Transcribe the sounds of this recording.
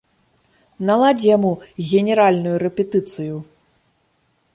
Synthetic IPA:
nalˠad͡zʲijamuɣʲɛnʲɛɾalʲnujuɾɛpʲɛt̪ɨt̪sɨju

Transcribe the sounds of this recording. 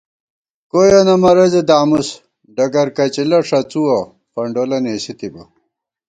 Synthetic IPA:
koːjɐnɐmɐɾɐzed̪aːmus | ɖɐɡɐɾkɐt͡ɕilɐʂɐt͡suwɐ | pɐɳɖolɐneːɕit̪ibɐ̰

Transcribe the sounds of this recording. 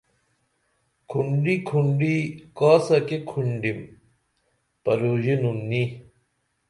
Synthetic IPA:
kʰuɳɖikʰuɳɖikaːsɐkekʰuɳɖim | pɐɾoʑinunːi

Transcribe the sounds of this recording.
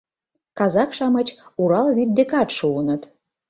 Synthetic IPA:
kɑzɑkʃɑmət͡ɕuɾɑlβit̪̚d̪ekɑt̪ʃuənət̪

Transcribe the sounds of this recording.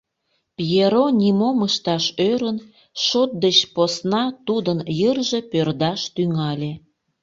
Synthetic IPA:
pjeɾonʲimoməʃt̪ɑʃøɾən | ʃot̪̚d̪et͡ɕposnɑt̪ud̪ənjərʒepørd̪ɑʃt̪yŋɑlʲe

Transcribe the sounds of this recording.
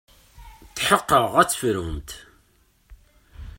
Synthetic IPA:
θħəqːəʁæt͡sːfɾumt̪

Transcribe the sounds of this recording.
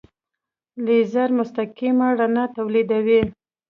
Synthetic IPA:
lizaɾmʊst̪akimaɽanat̪awlid̪awi

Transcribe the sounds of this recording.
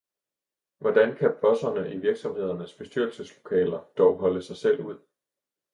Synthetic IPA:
ʋɒd̥ænkʰæpʰɒsɐnəʔiʋiɐɡ̥sɒ̽mhe̝ð̞ˠɐnəsb̥e̝sd̥yɐl̩səslo̝̥kʰɛ̰ːlɐd̥ɒʊɦɒ̽ləsɑ̈ɪsel̰uð̞̰ˠ

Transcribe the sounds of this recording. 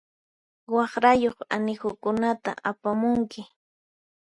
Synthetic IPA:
wɑχɾajoχanɪxʊkʊnat̪a̰ʔapamʊŋkɪ

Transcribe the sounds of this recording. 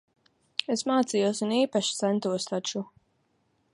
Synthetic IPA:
esmaːt̪sijuɔsuniːpaʃi̥t̪sɛnt̪uɔst̪at͡ʃu

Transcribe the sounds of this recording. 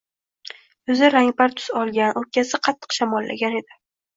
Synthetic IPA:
ɵzɪɾaŋbaɾt̪ʰʊ̥z̥ɒlˠɡʲanʔɵɾkʲʰasɪqʰɑt̪ʰːɨ̥qʃamɒlːa̰ɡʲane̞d̪ɪ

